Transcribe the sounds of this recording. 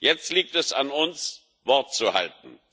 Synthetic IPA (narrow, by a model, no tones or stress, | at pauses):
jɛt͡stliːk̚tɛsanʊns | vɔɐt̚t͡suha̰ltn̩